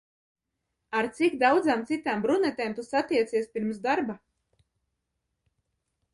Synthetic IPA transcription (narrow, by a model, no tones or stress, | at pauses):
aɾt̪sikd̪awd̪zaːmt̪sit̪aːmbɾunɛt̪eːmt̪usat̪iɛt̪siɛspʲiɾmsd̪aɾba